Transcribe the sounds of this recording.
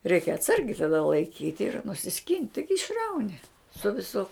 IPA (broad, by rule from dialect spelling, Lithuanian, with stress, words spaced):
rʲɛɪkʲ ɐtˈsɐrʲɡʲɛɪ tɐˈdɐ lˠɐɪˈkʲiːtʲ ɪr nʊsʲɪˈsʲkʲɪnʲtʲ ˈtɐɪɡʲɪ ɪʃˈrɐʊnʲɪ sʊ ʋʲɪˈsʊ